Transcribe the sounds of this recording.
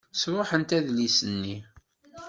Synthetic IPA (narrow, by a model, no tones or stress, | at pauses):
sɾʊħənt̪æðlisənːi